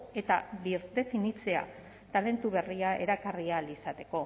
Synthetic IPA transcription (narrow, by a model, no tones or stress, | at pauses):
e̞t̪aβiɾt̪e̞finit͡se̞a̰ | t̪ale̞nt̪uβe̞riae̞ɾakarialisat̪e̞ko̞